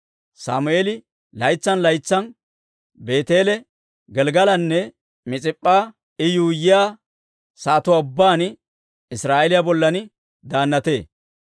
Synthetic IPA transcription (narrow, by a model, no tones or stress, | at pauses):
sa̰ːmʊeːlɪ | lɐjt͡sːɐnlɐjt͡sːɐn | be̞ːt̪e̞ːlɛ | ɡɛlɡɐlɐnːɛ | mɪt͡sʼɪpʼːaː | ɪjuːjɪjaː | saːt̪ʊaʊbːaːn | ɪsɾaːʔɛlɪjabɔlːɐnɪ | d̪aːnːɐt̪e̞ː